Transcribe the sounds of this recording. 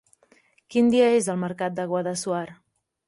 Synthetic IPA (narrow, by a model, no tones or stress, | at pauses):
kind̪iəezəlˠməɾkat̪̚d̪əɣ̞wəðəsuaɾ